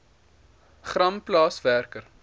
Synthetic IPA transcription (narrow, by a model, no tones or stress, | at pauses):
χrɐmplɑːsværkər